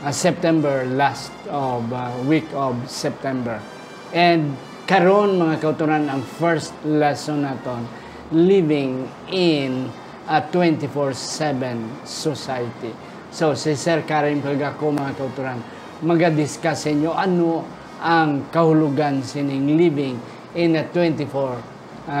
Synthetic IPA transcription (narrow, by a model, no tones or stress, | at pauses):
sɛp̚t̪ɛmbɛɹlast̪ovwikɔbsɛp̚t̪ɛmbɛɹ | ʔɛnd̪̚ | kɐɾonmɐŋakɐʊt̪ʊɾanɐŋfɛɹst̪̚lɛsonːat̪on | livɪŋ | ɪn | at̪wɛ̃nt̪ɪfoɹsɛvɛ̃nsosajt̪i | sosisɛɹkaɾɪŋkɐlɐɡakomɐŋakɐʊt̪ʊɾan | mɐɡad̪ɪskasɐɪɲoʔɐno | ʔaŋkɐhʊlʊɡansnɪŋlivɪŋ | ʔɪnɐt̪wɛnt̪ɪfoɹ